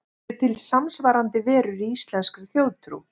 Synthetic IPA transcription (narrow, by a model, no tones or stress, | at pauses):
ʏt̪ʰɪlsamsvaɾant̪ɪvɛːɾʏɾiist̪lɛnskʏθjoːwt̪ɾṵ